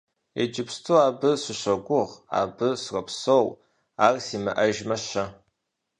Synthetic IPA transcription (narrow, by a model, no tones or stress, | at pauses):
ḛd͡ʒɪpstʰuaːbɨsʷɨɕʷɐɡʷʊʁa̰ːbɨsrʷɐpʰsow | aːrsimɨʔɐʒmɐʃɐ